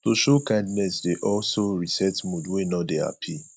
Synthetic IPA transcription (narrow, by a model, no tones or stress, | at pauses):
toʃokãɪ̃ndnɛsdeʔɔlsoɹisɛtmudwenɔdea̰pʰi